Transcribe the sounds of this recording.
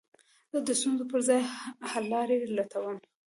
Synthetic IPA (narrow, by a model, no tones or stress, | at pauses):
zəd̪əst̪unzopəɾzɑjhalːɑɾelat̪ʰawəm